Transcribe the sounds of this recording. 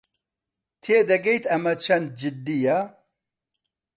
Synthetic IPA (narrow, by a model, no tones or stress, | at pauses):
t̪ʰeːd̪ɐɡɛjt̪ɐmɐt͡ʃʰɐnd̪̚d͡ʒɪd̪ːija